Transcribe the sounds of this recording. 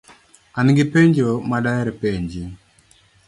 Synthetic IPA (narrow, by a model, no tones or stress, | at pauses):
anɡɪpeɲd͡ʒomaɗaɛɾɛpeɲd͡ʒi